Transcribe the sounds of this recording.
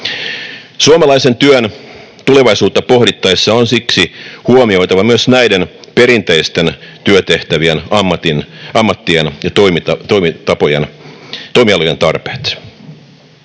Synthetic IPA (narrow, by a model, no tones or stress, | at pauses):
suomɑlɑise̞nt̪yøn | t̪ule̞ʋɑisuːt̪ːɑpo̞hdit̪ːɑisːɑonsiksihuomio̞it̪ɑʋɑmyøsnæidenpe̞ɾint̪eist̪ent̪yøt̪eht̪æʋienɑmːɑt̪inɑmːɑt̪ːienjɑt̪ojmit̪ɑt̪oimit̪ɑpojḛnt̪oimiɑlujent̪ɑrpeːt̪